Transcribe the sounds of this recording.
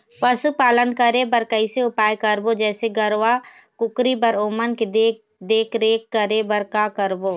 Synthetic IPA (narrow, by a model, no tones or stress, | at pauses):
pəsupaːlənkəɾebəɾkəiseʊpaːjkəɾbod͡ʒɛːseɡəɾʋakʊkɾibəɾoːmənked̪e | d̪eːkɾeːkːəɾebəɾkakəɾboː